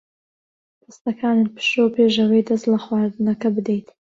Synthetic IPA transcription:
pʰɨst̪ɐkʰaːnɨpʰɨ̥ʃowpʰeʒɐwɐjd̪ɐst̪lɐxwaːɾd̪ɨnɐkɐbɨd̪ejt̪

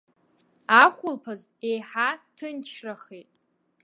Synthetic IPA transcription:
aχʷʊlpʰazejħatʰɨnt͡ʃʰraχitʼ

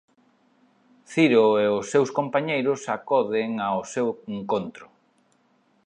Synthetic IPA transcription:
θiɾoeʊsːewskompaɲejɾʊsakɔðeŋaoseweŋkont̪ɾʊ

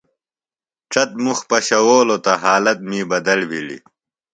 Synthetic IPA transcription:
ʈ͡ʂɐt̪̚muxpɐɕɐwoːlot̪ɐɦaːlɐt̪̚miːbɐd̪ɐlbʱilḭ

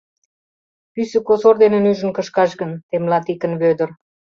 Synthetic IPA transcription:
pysə̆kosord̪enə̆nyʒə̆nkə̆ʃkɑʃɣənt̪emlɑt̪ikə̆nβød̪ə̆r

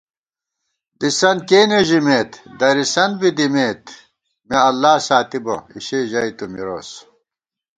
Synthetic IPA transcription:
d̪isɐnkeːneʑimeːt̪d̪ɐɾisɐnbid̪imeːt̪ | meɐlːaːsaːt̪ibo̰ḭɕeʑɐit̪umiɾo̰ːs

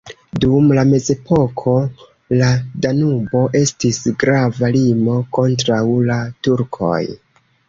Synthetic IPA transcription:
dumlame̞ze̞po̞kʰo̞ | ladanubo̞ʔe̞stisɡɾavalimo̞ko̞ntɾawlatuɾkʰo̞̰j

